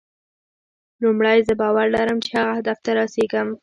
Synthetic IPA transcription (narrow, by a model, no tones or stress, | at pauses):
lumɽajzəbɑwaɾlaɾəmt͡ʃehaɣahad̪aft̪aɾɑseɡəm